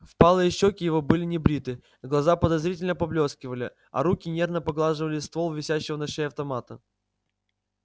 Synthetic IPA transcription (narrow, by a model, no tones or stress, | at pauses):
fpalˠəɪɕːokʲɪjɪvobɨlʲɪnʲɪbɾʲit̪ɨ | ɡlˠɐzapəd̪ɐzɾʲitʲɪlʲnəpɐblʲo̞skʲɪvəlʲɪ | ɐ̰ɾukʲɪnʲe̞rnəpɐɡlˠaʐɨvəlʲɪst̪volˠvʲɪsʲæɕːɪvənɐʂejɐft̪ɐmat̪ə